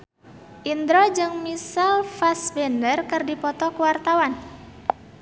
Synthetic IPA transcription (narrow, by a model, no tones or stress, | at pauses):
ʔind̪ɾɔd͡ʒɨŋmisalfasbɛndərkɨrdipɔt̪ɔkuwart̪awan